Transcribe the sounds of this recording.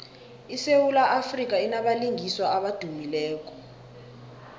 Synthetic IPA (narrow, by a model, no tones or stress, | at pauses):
isewulaʔafrik̬ʼainaɓaliŋiswaaɓad̥ʱumilɛːk̬ʼɔ̥